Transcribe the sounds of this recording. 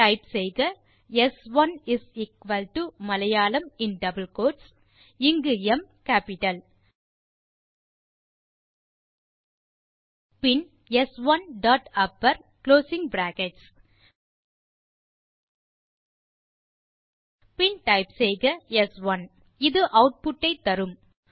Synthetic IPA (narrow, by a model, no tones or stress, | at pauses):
ʈɐɪpsɛjɡɐ | ɛsʋɐnɪsiːkʋɐlʈumɐlɐjaːlɐmɪnɖɐbəlkoːʈs | ɪŋɡɯɛmkaːpɪʈɐl | pɪn | ɛsʋɐnɖaːʈɐpːɐɾkloːsɪŋbɾaːkɛʈs | pɪnʈɐɪpsɛɪɡɐɛsʋɐn | ɪðɯʔɐʊʈ̚pʊʈːɐɪt̪ːɐɾɯm